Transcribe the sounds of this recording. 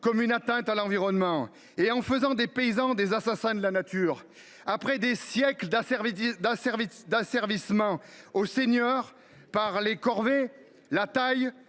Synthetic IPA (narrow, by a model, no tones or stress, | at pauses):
kɔmynat̪ɛ̃t̪alɑ̃viʁɔnmɑ̃ | eɑ̃fəzɑ̃d̪epeizɑ̃d̪ezasasɛ̃d̪əlanat̪yːʁ | apχɛd̪esjɛkləd̪sɛvd̪asɛʁid̪asɛʁvismɑ̃osenjœʁ | paʁlekɔʁve | lat̪aj